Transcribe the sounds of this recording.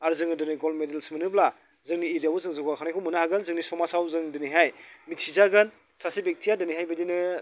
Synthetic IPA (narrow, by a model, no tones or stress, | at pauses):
aɾzɯŋɯdɯniɡɔlmedelsmɯnɯbla | zɯŋniːɾiawuzɯŋzɯɡwakʰanajkʰɯmunahaɡɯnzɯŋnisɔmasawzɯŋdɯniɦajmit̚sizaɡɯn | sasibek̚tʰijadɯniɦajbadinɯ